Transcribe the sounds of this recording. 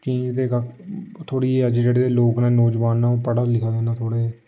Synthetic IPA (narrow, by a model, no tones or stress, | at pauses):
t͡ʃĩːd͡ʒd̪eːkəkt̪ʰoːɽiːəd͡ʒd͡ʒeːɽeːloːknɛ̃ːnoːd͡ʒʋaːnːãːoːpəɽaːlɪkʰaːd̪eːnaːt̪ʰoːɽeː